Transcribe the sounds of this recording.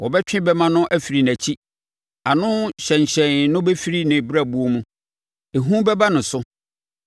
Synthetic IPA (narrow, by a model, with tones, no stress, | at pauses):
wɔ˨bɛ˦t͡ɕᶣɪ̃˦bɛ˦mã˦nʊ̃˦ʔæ˦fi˨ɾi˨n˨æ˨t͡ɕʰi˦ | a˨nʊ̃˦ɕɛ̃˨ɲ˨ɕɛ̃˨nnʊ̃˦be˦fi˦ɾi˦nɪ̃˨bɾa˦˨bu˦o˦mũ˦ | e˨ɦũ˦bɛ˦ba˦nʊ̃˨sʊ˦